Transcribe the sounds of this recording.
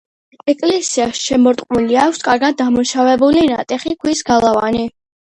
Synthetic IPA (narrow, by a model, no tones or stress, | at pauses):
ɛkʼlɛsiasʃɛmɔɾt̪ʼqʼmuliakʷʰskʼaɾɡad̪̚dːamuʃavɛbulinat̪ʼɛχikʰwisɡalˠavani